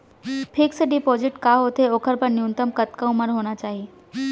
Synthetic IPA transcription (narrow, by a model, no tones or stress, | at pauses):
pʰiksɖipod͡ʑɪʈkaɦot̪eoːkʰəɾpəɳnjunt̪əmkət̪kaũməɽɦoɽ̃at͡ɕaːɦi